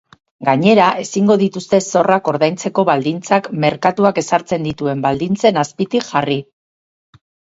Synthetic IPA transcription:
ɡaɲe̞ɾaʔe̞siŋɡo̞ð̞it̪ust̪e̞so̞rako̞ɾðajnt͡se̞ko̞βald̪int͡sakme̞ɾkat̪uake̞saɾt͡se̞nd̪it̪ue̞mbald̪int͡se̞naspit̪ikʝari

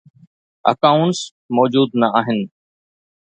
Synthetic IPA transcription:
ɐ̰kaːʊɳʈs | mɔːd͡ʑuːd̪nɐʔaːɦɪnɪ̆

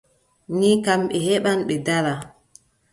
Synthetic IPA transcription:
ɲikamɓɛhɛɓanɓɛdaɾa

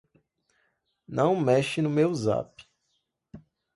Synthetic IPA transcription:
nɐ̃w̃mɛʃɪnʊmewza̰p

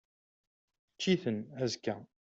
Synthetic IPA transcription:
t͡ʃːiθənæzkːæ

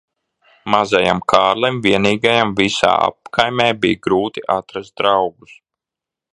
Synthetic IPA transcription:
mazajamkʰaːɾlˠɛmviɛniːɡajamvisa̰ːa̰p̚kʰajmʲɛːbijɡɾuːt̪iʔat̪ɾast̪̚d̪ɾawɡus

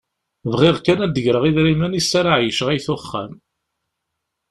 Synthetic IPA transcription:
vʁɪʁkænæd̪əʝɾəʁiðɾimænisːæɾaʕjəʃʁæjθʊχːæ̰m

